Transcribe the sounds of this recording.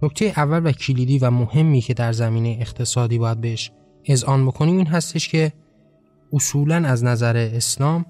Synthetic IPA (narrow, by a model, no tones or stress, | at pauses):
noct̪ʰe̞jeʔævːælvæcʰiliːd̪iːvæmohe̞mːiːcʰe̞d̪æɾzæmiːnejeːxt̪ʰe̞sɒːd̪iːbɒːjæd̪̚beeʃ | e̞zʔɒːnbo̞kʰo̞niːmiːnɦæst̪e̞ʃcʰe̞ | osuːlænæznæzæɾeːslɒːm